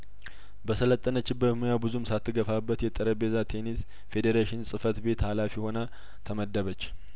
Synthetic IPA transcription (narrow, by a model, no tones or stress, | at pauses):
bəsələt̪ʼːənət͡ʃːɪbːət̪mujabɨzumsat̪ːɨɡəfabːət̪jɛt̪ʼəɾəbe̞zat̪ʰe̞nis | fe̞d̪eɾaʃɪnsʼɨfət̪be̞t̪halafiho̞na | t̪ʰəməd̪ːəβət͡ʃː